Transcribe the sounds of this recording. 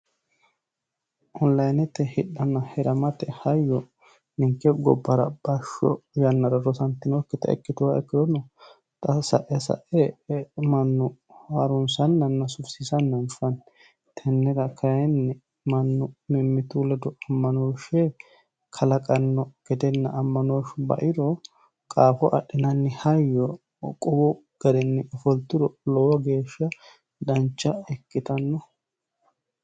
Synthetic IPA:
ʔɔnlɐjnɛt̪ːɛhɪɗːɐnːɐhɛɾɐmɐt̪ɛhɐjːɔ | nɪŋkːɛɡɔ̰bːɐɾɐb̥ɐʃːɔ̰jɐnːɐɾɐɾɔsɐnt̪ːɪnɔkːɪt̪ɐ̰ɛ̰kːɪt̪ʊwaɛkːɪd̪ɔnɔ | t̪ʼɐsɐ̰ʔɛsɐ̰ʔɛmɐnːʊhɐɾʊnsɐnːɐnːɐsʊfsisɐnːɐnfɐn | t̪ʰɛnːɛɡɐkʰɐjɛnːɛ | mɐnːʊmɛmːɪt̪ulɛd̪ɔɐmːɐnoːʃɛ | kʰɐlɐkʼɐnːɔɡ̥ɛd̪ɛnːɐʔːmːɐnoːʃbɐ̰ʔɪɾɔ | kʼaːfɔʔɐɗːɪnɐnːɪhɐjːɔ | kʼɔbɔ | ɡ̥ɐɾɛnːɪɔfɔlt̪ːɪɾɔlɔwɐɡe̞ːʃːɐ | d̪ɐnt͡ʃːɐɛkːɪt̪ɐnːɔ

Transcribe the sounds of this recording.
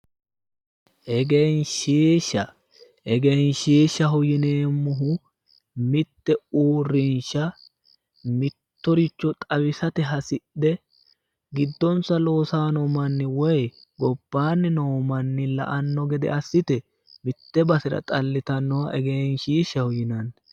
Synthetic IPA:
ʔɛɡejnʃiːʃːɐ | ʔɛɡejnʃiːʃːɐɦʊjɪneːmːʊɦʊ | mɪt̪ːɛuːrːɪnʃɐ | mɪtt̪ːɔɾɪt͡ʃːɔt̪ʼɐwɪsɐt̪ɛɦɐsɪɛ | ɡɪd̪ːɔnsɐlo̞ːsaːnɔmɐnːɪwɔj | ɡɔb̥ːaːnːɪnoːmɐnːɪlɐ̰ʔɐnːɔɡɛd̪ɛ̰ɐsːɪt̪ɛ | mɪt̪ːɛbɐsɪɾɐ̰t̪ʼɐlːɪt̪ɐnːɔwɐʔɛɡejnʃiːʃːɐhʊjɪnɐnː

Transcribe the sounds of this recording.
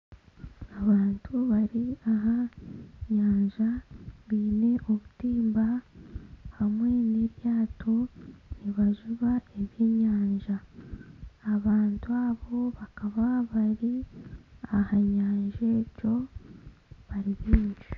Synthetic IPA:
aβaːntʰuβaɾiaɦaɲaːɲʒaβiːne̞ʔoβutiːmba | hamwe̞neɾjaːto̞niβaʒuβae̞βjeɲaːɲʒaː | βaːntuaβo̞βakaβaβaɾi | ahaɲaːɲʒe̞co̞ | βaɾiβiːnd͡ʒi

